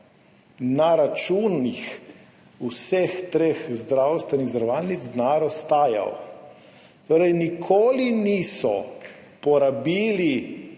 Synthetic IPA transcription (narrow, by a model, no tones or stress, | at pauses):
naɾat͡ʃuːnːix | usext̪ɾexzd̪ɾawst̪ʋɛniɣzɾaʋaːlnid̪zd̪naːɾɔst̪aːja̰o̰ | t̪oːɾɛjnikʰoːliniːsɔ | pɔɾabiːli